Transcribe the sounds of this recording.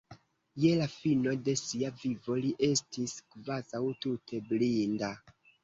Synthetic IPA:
je̞lafino̞jde̞siavivo̞liʔe̞stiskvazawtutʰe̞blinda

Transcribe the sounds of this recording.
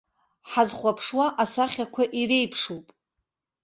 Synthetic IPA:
ħazχʷapʰʂwaʔasaχʲakʷʰaʔiɾe̞jpʰʂupʼ

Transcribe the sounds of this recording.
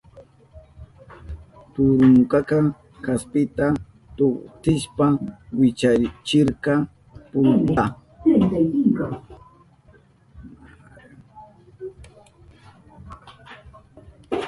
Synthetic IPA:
t̪ʊɾʊŋkɑkɑ | kaspɪt̪a | t̪ʊχt̪ɪʃpawɪt͡ʃat͡ʃɪɾkɑ | pʊnt̪a | ajt̪ajt̪ɪŋkɑ

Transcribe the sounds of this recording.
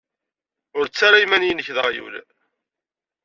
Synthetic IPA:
ʊɾt͡sːaɾajmænjənəçðəʁjṵl

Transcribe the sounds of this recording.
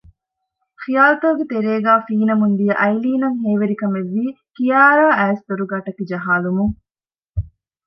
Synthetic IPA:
xijaːlɐt̪ɐːɡet̪eɾeːɡaːfiːnɐmund̪ijɐʔɐjliːnɐŋɦeːʋeɾikɐmeʋːiː | kijaːɾaːæːst̪oɾuɡaːʈɐkid͡ʒɐɦaːlumuŋ

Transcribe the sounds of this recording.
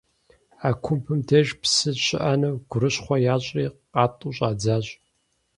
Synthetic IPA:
aːkʷʰʊmpʰɨmdʰeʒpsɨɕɪ̰ʔɐnɨɡ̥ʷʊɾɨɕχʷɔjaːɕʼriːqʼɑːtʼuːɕʼaːd͡zaːɕʼ

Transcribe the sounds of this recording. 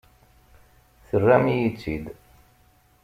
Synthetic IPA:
θərːæmijit͡sːid̪

